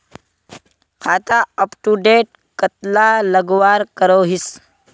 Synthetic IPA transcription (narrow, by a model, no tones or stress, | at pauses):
kʰaːt̪aəpʈuɖeːʈ̚ | kət̪laləɡʋaːɾkəɾoɦis